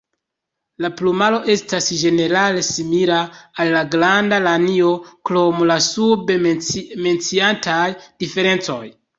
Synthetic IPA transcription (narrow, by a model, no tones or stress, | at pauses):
laplumalo̞ʔe̞stasʒe̞ne̞ɾale̞similaːlːaɡɾandalanio̞klomlasubeme̞nt͡siantajdife̞ɾe̞nt͡so̞̰j